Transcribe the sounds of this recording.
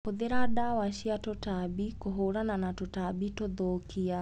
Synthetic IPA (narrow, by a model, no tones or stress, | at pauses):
kuðeɾaɗawaʃiatɔtabikɔɦoɾananatɔtaɓitɔðɔkia